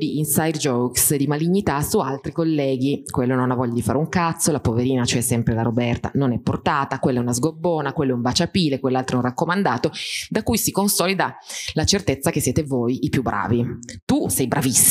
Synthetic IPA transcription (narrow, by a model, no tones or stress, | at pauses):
d̪iːnsajd̪d͡ʒɔksd̪imaliɲːit̪asualt̪ɾikolːɛːɡikwelːononavɔʎːad̪ifaːɾeuŋkat̪sːolapoveɾiːnat͡ʃoɛsːɛmpɾelaɾobɛrt̪a̰nonɛpːo̰rt̪aːt̪akwelːɛunazɡobːoːnakwelːoɛumbat͡ʃapiːlekwelːalt̪ɾoɛũnrakːomand̪aːt̪od̪akujsikonsɔːlid̪alat͡ʃert̪et̪sːakesːjeːt̪evojipjubːɾa̰ːvit̪usɛjbɾʔavisː